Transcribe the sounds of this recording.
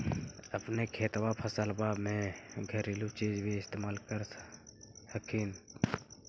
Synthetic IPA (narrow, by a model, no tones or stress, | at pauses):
əpnekʰeːt̪wapʰəsəlbaːbmẽɡʱəɾilut͡ʃiːd͡ʒbʱiɪst̪eːmaːlkəɾ | həkʰiːn